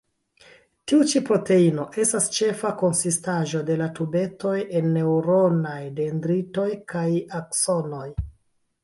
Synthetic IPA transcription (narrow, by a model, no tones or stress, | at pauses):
tiut͡ʃipɾo̞te̞ino̞ʔe̞stast͡ʃe̞fako̞nsistaʒo̞de̞latube̞to̞je̞nːe̞wɾo̞najde̞ndɾito̞jkajakso̞no̞j